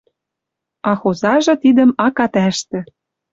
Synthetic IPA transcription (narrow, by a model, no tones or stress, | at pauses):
ɑxozɑʒɤ̆t̪id̪ə̆mɑkɑt̪æʃt̪ɘ̆